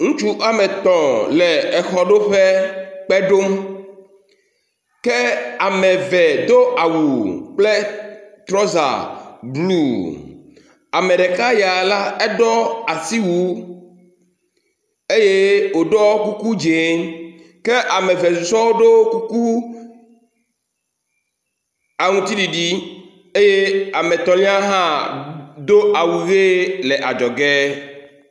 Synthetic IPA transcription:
ŋũ˦t͡ʃu˦ʔa˨me˨t̪ɔ̃˨lɛ˨ɛ˨xɔ˦ɖo˦ɸe˦k͡pɛ˦ɖo˦m | ke˦a˨mɛ˨vɛ˨d̪o˦ʔa˨wu˨k͡plɛ˦t̪ɾɔ˦za̰˨blu˦˨ | a˨me˨ɖe˨ka˦ja˨la˦ɛ˦ɖɔ˦a˨si˦wu˨˦ | e˦je˦wo˨ɖɔ˦ku˦ku˦d͡ʒe˨˦ | ke˦ʔa˨me˨ve˨su˨sɔ˦wo˦ɖo˦ku˦ku˦ | a˨ŋũ˦t̪i˦ɖi˨ɖi˦ | e˦je˦a˨me˨t̪ɔ˨lĩ˦a˦ɦã˦ | d̪o˦a˨wu˨ɣe˦le˨ʔa˨d͡ʒɔ˨ɡɛ˦

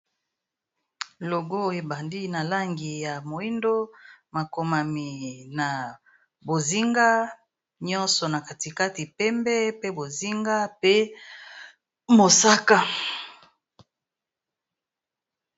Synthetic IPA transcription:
lo˨ɡo˦e˨ba˨ndi˦na˨la˦ŋɡi˨ja˨mo˨i˦ndo˦ma˨ko˨ma˨mi˨na˨ | bo˨zi˦ŋɡa˦ | ɲɔ˦nsɔ˨na˨ka˨ti˨ka˦ti˨pɛ˦mbɛ˦pe˦bo˨zi˦ŋɡa˦pe˦ | mo˨sa˦ka˦

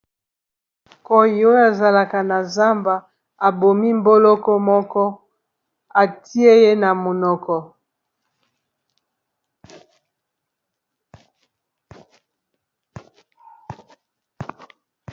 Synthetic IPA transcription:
ko˨ji˨o˦jo˦a˨za˨la˨ka˨na˨za˦mba˨ | a˨bo˨mi˦m˦bo˦lɔ˦kɔ˦mɔ˦kɔ˦ | a˨tʰi˦e˦je˦na˨mo˨nɔ˨kɔ˨

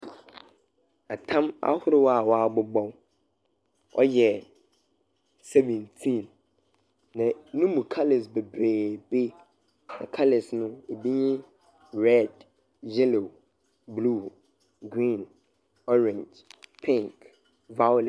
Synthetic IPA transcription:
a˨tʰã˦ma̰˦hʊ˦ɾɪ˦wa˨wa˦˨bʊ˦bɔ̃˦w | ɔ̰˦jɛ˨ | sɛ˦vɛ̃˨ntʰĩ˦˨nː | ã˨nũ˦mũ˨kʰa˦le˨s̬be˨bɾeː˨be˦ | nã̰˨kʰa˦lɪ˨snʊ̃˦e˨bi˦ɲɪ̃˦ | ɹɛ˦˨d | jɛ˦lo˨ | blu˦˨ | ɡɾĩ˦˨n | ɔ˦ɾɛ̃˨ɲd͡ʒ | pʰɪ̃˦ŋk | va˦wl

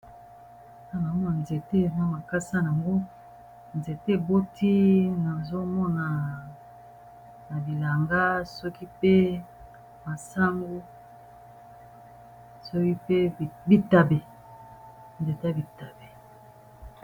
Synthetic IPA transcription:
na˦na˨˦mɔ˦na˨nze˨te˦˨na˦ma˨ka˦sa˦n˨a˨ŋɡo˦ | nze˨te˦˨bo˦ti˦na˨zo˦mɔ˦na˨ | na˨bi˨la˨ŋɡa˦sɔ˦ki˦pe˦ | ma˨sa˦ŋɡu˦ | sɔ˦ki˦pe˦˨bi˨ta˨be˨ | nze˨te˦a˦bi˨ta˨be˨

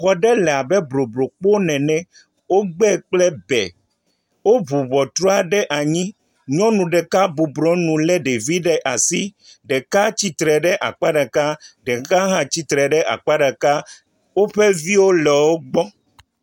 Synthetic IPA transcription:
xɔ˨ɖɛ˦lɛ˨a˨bɛ˦bɾo˨bɾo˨k͡po˦nɛ̃˨nɛ̃˦ | wo˦ɡ͡bɛ˦˨k͡plɛ˦bɛ̰˨ | wo˦βu˨βɔ˨t̪ɾɔ˦a˨ɖɛ˦ʔa˨ɲĩ˦ | ɲɔ̃˦nũ˨ɖɛ˨ka˦bu˨bɾɔ̃˦nũ˨lɛ˦ɖe˨vi˦ɖɛ˨ʔa˨si˦ɖɛ˨ka˦t͡ɕi˦t̪ɾɛ˨ɖɛ˦ʔa̰˨k͡pa˦ɖa˨ka˦ɖɛ˨˦ka˦ɦã˦t͡ɕi˦t̪ɾɛ˨ɖɛ˦ʔa̰˨k͡pa˦ɖa˨ka˦ | wo˦ɸɛ˦vi˦wo˦lɛ˨wo˦ɡ͡bɔ˦

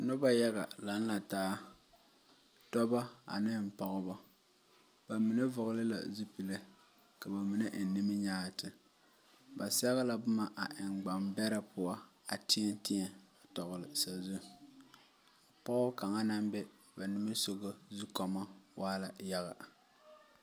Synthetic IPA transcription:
nʊ˦ba˦ja˦ɣa˨la˨˦n̩˦la˨taː˦ | tɔ˦ba˦a̰˨nɪ˦m̩˨pɔ˨ɣʊ˦ba˦ | b̥a˨mi˨na˦vʊ˨ɣʊ˦lɪ˦la̰˨zu˦pi˨le˦ | ka˨ba˨mi˨na˦ʔn̩˨ni˦mɪ˦ɲaː˦˨tɪ˨ | ba˨sɛ˦ɣa˦la˨bʊ˦ma˨ʔa˨ʔɪ˨ŋɡ͡ba˨mbɛ˦ɾa˦pʊ˨a˦a̰˨tɪ˦ɛ˦n˦tɪ˦ɛ˨a˨tɔ˨ɣʊ˨lɨ˨sa˨zu˦ | a˨pɔ˦ɣʊ˦ka˨ŋa˦na˦mbɛ˦ | ba˨nɨ˦ma˦so˦ɣo˦zu˦kɔ˨ma˦waː˦la˨ja˦ɣa̰˨

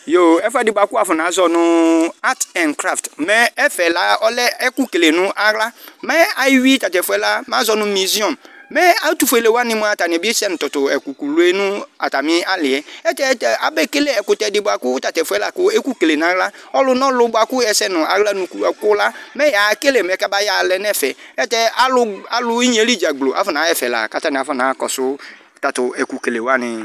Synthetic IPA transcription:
jo˨ɛ˦fɛ˦dɪ˨ba˨kʊ˦a˨fʊ˨n˨a˨zɔ˨nʊ̃˦a˦tɛ˨nkɾa˦˨ftmɛ˦ɛ˦fɛ˨la˦ɔ˦lɛ˦ɛ˦ku˦ke˨le˨nʊ̃˦ʔa˦ɣla˦mɛ˦a˨˦wi˦ta˨tɛ˨fʊ˨ɛ˦la˦ma˨˦zɔ˦nʊ̃˦mi˨zi˦ɔ˨mmɛ˦a˦tu˨fe˨le˨wa˦nɪ̃˦mʊ˦a˨ta˨nɪ˨be˦sɛ˦nʊ̃˨tɔ˨tʊ˨ɛ˨ku˨ku˨lu˨˦e˦nʊ̃˦a˨ta˨mɪ̃˦a˦lɪ˨ɛ˦ɛ˦tɛ˦tɛ˦a˨bɛ˦ke˦le˦ɛ˨kʊ˨t̪ɛ˨dɪ˨bʊ˨a˨kʊ˦t̪a˨t̪ɛ˨fu˨˦ɛ˦la˨kʊ˦e˦ku˦ke˨le˨nã˨˦la˦ɔ˦lʊ˦nɔ̃˦lʊ˨˦bʊ˦a˨kʊ˦ɛ˨sɛ˦nʊ̃˨a˨ɣla˦nʊ̃˨kɛ˨kʊ˦la˦mɛ˦ja˨˦ke˦le˨m˨ɛ˨ka˦ba˦ja˨lɛ˨nɛ˦˨fɛ˨ɛ˦tɛ˦a˨lʊ˦a˨lʊ˦i˦ɲ˦e˦li˦d͡ʒa˨ɡ͡blo˨ʔa̰˨˦fɔ˦nã˨˦ɛ˦˨fɛ˨la̰˨ka˨t̪a˦nɪ̃˨a˨˦fɔ˦˨nã˨˦kɔ̰˨sʊ˦ | t̪a˨t̪ʊ˨ɛ˨ku˨ke˨le˨wa˦nɪ̃˨

